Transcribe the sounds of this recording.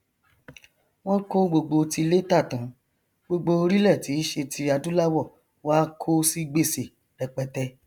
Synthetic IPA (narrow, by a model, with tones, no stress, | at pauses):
w̃ɔ̃˦ko˦ɡ͡bo˧ɡ͡bo˧ti˧le˦ta˦˨tũ˨˦ | ɡ͡bo˧ɡ͡bo˧ɾi˦lɛ˦˨ti˨˦ʃe˧tʰi˧a˧dũ˨˦la˦wɔ˦˨ | wa˦kʰo˦si˦ɡ͡be˦˨se˨ | ɾɛ˨k͡pɛ˧tɛ˧˦